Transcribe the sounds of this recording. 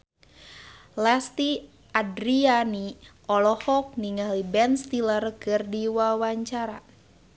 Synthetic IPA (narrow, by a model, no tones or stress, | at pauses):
last̪i | adɾiani | ɔlɔhɔk̚niŋalibɛnst̪ilərkɨrdiwawaɲt͡ʃaɾa